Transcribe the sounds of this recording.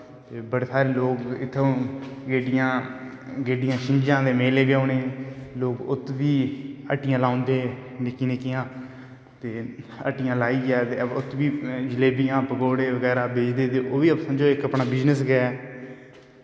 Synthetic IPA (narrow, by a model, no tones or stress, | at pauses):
t̪eːbəɽeːsaːɾeːloːkɪt̪ʰːõːɡeːɖɪjãː | ɡeːɖɪjãːʃɪɲd͡ʒjãːd̪eːmeːleːbjõːneːloːkʊt̪ːʋiːə̰ʈɪjãːlaːnd̪eːnɪkiːnɪkːɪjãː | t̪eː | ə̰ʈɪjãːlaːiːɛːt̪eːʊt̪ʰːʋiːd͡ʒɪleːbɪjãːpəɡoːɽeːʋəɡɛːɾaːbeːd͡ʒd̪eːt̪eːoːʋiːəpsəmd͡ʒoːɪkəpnaːbɪznəsɡəɛː